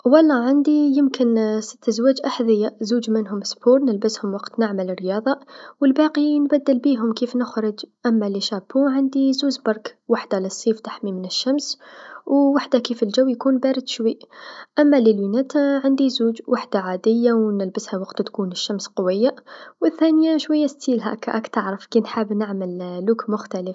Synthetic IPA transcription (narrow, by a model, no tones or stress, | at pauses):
wɑlˤːɑʕand̪ijəmkənsə̥t̪ːæzwæːd͡ʒʔaħðəjːazuːd͡ʒmənɦʊmsbuːɾˤnəlbəshʊmwɑqt̪naʕmələrːjɑːðˤɑwəlbɑqinbæd̪ːəlbiɦʊmkifnʊxɾəd͡ʒʔæmːæliʃabuʕand̪izuːzbɑɾˤkwaħd̪aləsˤːiːft̪ḁħmimənəʃːamswwaħd̪akiːfəlʒawːjkuːnbæɾɪd̪ʃwiʔʔamːalilwinat̪aʕand̪izuːd͡ʒwaħd̪aʕaːd̪ɪjːawnɪlbəshawɑqt̪t̪kuːnɪʃːamsqʊwəjːawəθːaːnjaʃwajːast̪iːlɦæ̰kʔæ̰kt̪aʕɾəfkinħabnɪʕməllukmʊxt̪æləf